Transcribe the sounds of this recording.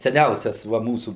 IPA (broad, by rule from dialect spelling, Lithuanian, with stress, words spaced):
sʲɛˈnʲɛʊsʲɛs ˈʋɐ ˈmuːsuː